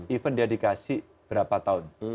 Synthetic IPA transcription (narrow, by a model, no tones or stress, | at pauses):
ifəndiadikasi | b̥əɾapat̪aʊn